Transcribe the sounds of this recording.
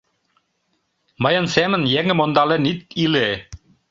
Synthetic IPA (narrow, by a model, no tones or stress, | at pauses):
mɤ̆jɤ̆nsæmɘ̆njæŋɘ̆mond̪ɑlĕnit̪̚ile